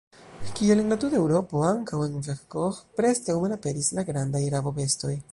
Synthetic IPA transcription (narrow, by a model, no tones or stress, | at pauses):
kielenlatude̞wɾo̞po̞aŋkawenʒakkoxpɾe̞skawmelape̞ɾislaɡɾandajɾavo̞ve̞sto̞j